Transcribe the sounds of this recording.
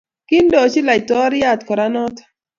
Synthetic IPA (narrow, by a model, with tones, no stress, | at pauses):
kɪ˦ndɔ˨t͡ʃi˦la˨jtɔ˦ɾja˦˨t̪kɔ˨ɾa˦nɔ˦t̪ḁ